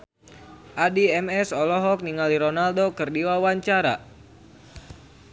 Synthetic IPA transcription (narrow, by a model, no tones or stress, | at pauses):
ʔadiɛmɛsɔlɔɦɔk̚niŋaliɾɔnaldokɨrdiwawaɲt͡ʃaɾa̰